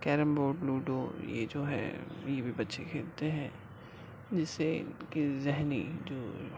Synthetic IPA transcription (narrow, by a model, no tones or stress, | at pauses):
kɛːɾəmboːʈluːʈojḛd͡ʒoːɦɛ̰jebʱibɐtːʃekʰeːlt̪eɦɛ̰̃ː | d͡ʒɪsːḛkizɛɦnid͡ʒoː